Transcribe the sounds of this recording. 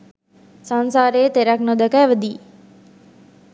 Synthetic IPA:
sansaːɾeːt̪eɾaknod̪əkajʋəd̪iː

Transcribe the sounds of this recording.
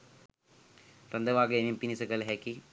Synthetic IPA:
ɾɐnd̪ɐʋaːɡeenimpinisɐɡɐlɦeːki

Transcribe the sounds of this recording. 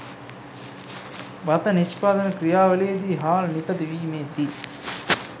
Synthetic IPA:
ʋɐt̪ɐniʃpaːd̪ɐnɐkɾijaːʋɐleːd̪iɦaːlnit̪ɐd̪iʋiːmeːd̪i

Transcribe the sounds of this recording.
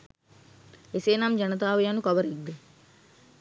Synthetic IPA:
eseːnamd͡ʒanət̪aːʋejanukaʋəɾiɡd̪e

